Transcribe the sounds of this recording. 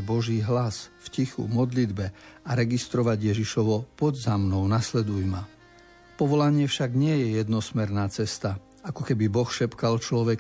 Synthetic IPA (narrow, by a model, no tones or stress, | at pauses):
bɔʒiːɦlasfcixṵmɔd̪lid̪bɛaɾɛɡist̪ɾɔʋaɟjɛʒiʃɔʋɔpɔd̪zamnɔʊnaslɛd̪ujma | pɔʋɔlaɲɪɛfʃaɡɲɪɛjɛjɛd̪nɔsmɛɾnaːt͡sɛst̪a | akɔkɛbibɔxʃɛpkalt͡ʃlɔʋɛk